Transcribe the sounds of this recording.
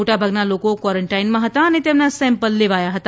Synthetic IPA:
oʈabʱəɡnalokokwaɾəɳʈainmãɦət̪aənet̪emnasɛ̃mpəlːeʋajaɦət̪a

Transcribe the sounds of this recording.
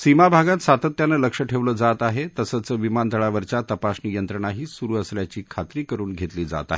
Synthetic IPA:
simabʱaɡãt̪sat̪ət̪janəːləkʂəʈʰeʋləːd͡zat̪aɦet̪əsət͡səːʋimant̪əɭaʋəɾt͡ɕat̪əpasnijənt̪ɾəɽ̃aɦiːsuɾuːəsljat͡ɕiːkʰat̪ɾiːkəɾuːnɡʱet̪liːd͡za̰t̪a̰ɦe

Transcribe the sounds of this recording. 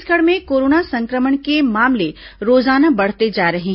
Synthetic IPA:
skəɽmẽkoːɾoːnasɐ̃ŋkɾəməɳkemaːmle | ɾoːzaːnabɐɽ̤t̪ed͡ʒaːɾɐɦẽ

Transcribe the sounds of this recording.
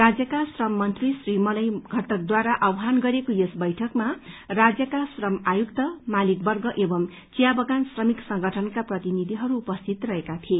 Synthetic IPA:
rad͡zjʌkasrʌmːʌnt̪risrimʌlʌjɡʱʌʈʌk̚d̪waɾaʔʌwɦanɡʌɾekojesbʌjʈʰʌkmarad͡zjʌkasrʌmajukt̪ʌmalik̚bʌrɡʌʔebʌm | t͡sijabʌɡansrʌmiksʌŋɡʱʌʈʰʌnkaprʌt̪inid̪ʱiɦʌɾuːpʌst̪ʰit̪rʌɦekat̪ʰie

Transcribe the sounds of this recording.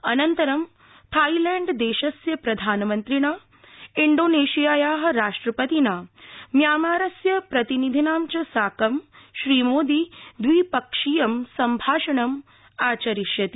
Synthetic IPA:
ɐnɐnt̪ɐɾɐm | t̪ʰaːilɛːɳɖd̪eːʃɐsjɐpɾɐd̪ʱaːnɐmɐnt̪ɾiɳaː | iɳɖoːneːʃijaːjaːɦɐ̆ɾaːʂʈɾɐpɐt̪inaːmjaːmaːɾɐsjɐpɾɐt̪inid̪ʱinaːmt͡ʃɐsaːkɐmʃɾiːmoːd̪iːd̪ʋiːpɐkʂijɐmsɐmbʱaːʂɐɳɐm | aːt͡ʃɐɾiʃjɐt̪i

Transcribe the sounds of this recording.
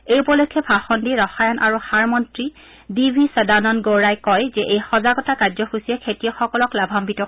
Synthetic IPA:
ejupɔlɔkʰːɛbʱaxɔndiɹɔxajɔnʔaɹuxaɹmɔntɹi | dibʱisadanɔnɡowɹajkɔjzɛʔejxɔzaɡɔtakazɔxusiɛkʰetijɔxɔkɔlɔklabʱambitɔ

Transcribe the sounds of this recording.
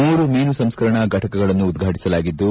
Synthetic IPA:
uːɾumiːnusɐmskɐɾɐɳɐɡʱɐʈɐkɐɡɐɭɐnːuːd̪ɡʱaːʈi̥sɐlaːɡid̪ːu

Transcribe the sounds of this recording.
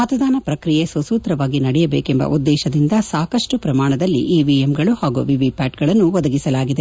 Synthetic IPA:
mɐt̪ɐd̪aːnɐpɾɐkɾije̞sɐsuːt̪ɾɐʋaːɡinɐɽɛjɐbeːkembɐ̰ʔud̪ːɛːʃɐd̪ind̪ɐsaːkɐʂʈupɾɐmaːɳɐd̪ɐlːḭʔiːʋiemɡɐɭuhaːɡṵʋiʋipaːʈɡɐɭɐnːuʋɔd̪ɐɡisɐlaːɡid̪e̞

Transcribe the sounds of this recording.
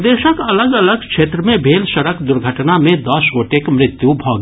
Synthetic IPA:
d̪eːʃəkɐləɡɐləɡkʃeːt̪ɾəmẽbʱeːlʃɐɾəkd̪ʊɾɡʱəʈnamẽd̪ɔsoːʈekmɾɪt̪jubʱɔːɡ

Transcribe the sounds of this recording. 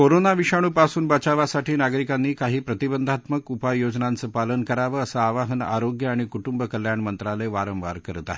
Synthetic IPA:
koɾonaʋiʂaɽ̃uːpasuːnbət͡ɕaʋasaʈiːnaɡɾikanːiːkaɦiːpɾət̪ibənd̪ʱat̪məkupajod͡znant͡səːpalənkəɾaʋəəsəaʋaɦəna̰ɾoɡjəaɽ̃ikuʈumbəkəljaɳmənt̪ɾaleʋaɾə̃mʋa̰ɾkəɾt̪a̰

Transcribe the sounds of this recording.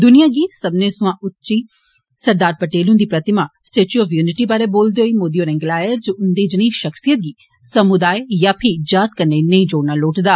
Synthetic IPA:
d̪ʊnijaɡisɐbnesuãʔʊtːt͡ʃi | sɐɾd̪aːɾpɐʈeːlũnd̪ipɾɐt̪ɪmasʈeːt͡ʃjuɔːfjuːnɪʈibaːɾeboːld̪eɦoːimoːd̪ijoɾɛ̃ŋɡlaːjəd͡ʒoʊnd̪id͡ʒɪñĩʃɐxsijət̪̚ɡiː | sɐmʊd̪aːjjapʰid͡ʒaːt̪kɐnːenɐĩd͡ʒoːɽnaloːʈd̪aː

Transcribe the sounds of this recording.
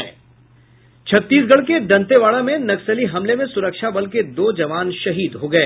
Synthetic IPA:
t͡ʃʰɐt̪ːiːsɡɐɭked̪ɐ̃nt̪eʋaːɭamẽnɐksəliɦɐmlemẽsʊɾəkʃabɐlked̪oːd͡ʒɐʋaːnʃɐɦiːd̪ɦoɡɐeː

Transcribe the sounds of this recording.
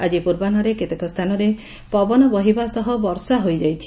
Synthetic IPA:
ad͡ʒipuɾbanɔɾeket̪ekɔst̪ʰanɔɾe | pɔbɔnɔbɔɦibasɔɦɔbɔɾsaɦojd͡ʒajt͡ʃʰi̥

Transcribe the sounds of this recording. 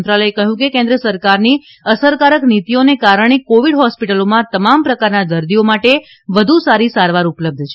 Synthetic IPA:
nt̪ɾaləekəɦjũkekẽnd̪ɾəsəɾkaɾni | əsəɾkaɾəknit̪ionekaɾəɳ̃ekoʋiɽɦɔspiʈəlomãt̪əmampɾəkaɾnad̪əɾd̪iomaʈe | ʋəd̪ʱusaɾisaɾʋaɾupləb̚d̪ʱt͡ʃʰe

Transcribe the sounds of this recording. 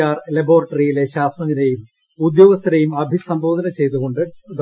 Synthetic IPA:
aːrlɐbo̞ːrɐʈːɐrijile̞ɕaːst̪rɐŋinejum | ud̪jo̞ːɡɐst̪ʰɐɾɐjumɐbʱisɐmbo̞ːd̪ʱɐnɐt͡ɕe̞jt̪uɣo̞ɳɖɨd̪

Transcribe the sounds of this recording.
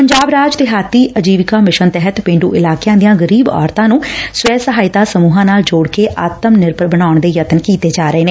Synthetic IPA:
pəɲd͡ʒaːbɾaːd͡ʒt̪ɪɦaːt̪ːiːʔəd͡ʒiːʋkaːmɪʃənt̪ɛɦət̪pẽːɳɖṵːʔɪlaːkjãːd̪ijãːɡəɾiːbɔ̰ːɾt̪ãːnũːsʋɛːsəɦaːɪt̪aːsəmuːɦãːnaːld͡ʒoːɽkeːʔaːt̪əmnɪɾpəɾbəɽ̃aːʊɳd̪eːjət̪nkiːt̪eːd͡ʒaːɾəeːneː

